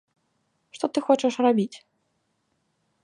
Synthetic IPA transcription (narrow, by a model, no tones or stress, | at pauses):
ʂt̪ɔt̪ɨxɔt͡ʂɐʂrabʲit͡sʲ